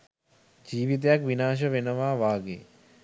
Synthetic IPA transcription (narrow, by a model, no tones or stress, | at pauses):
d͡ʒiːʋit̪̬jakʋinaːʃ̬əʋenəʋaːʋaːɡḛː